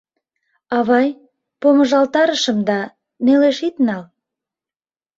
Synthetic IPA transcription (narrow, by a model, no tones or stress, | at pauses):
ɑβɑj | poməʒɑlt̪ɑɾəʃəmd̪ɑ | neleʃit̪nɑl